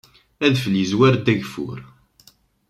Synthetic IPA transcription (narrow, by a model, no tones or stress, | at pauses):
æðfəlizwæɾd̪æʝfʊ̰ɾ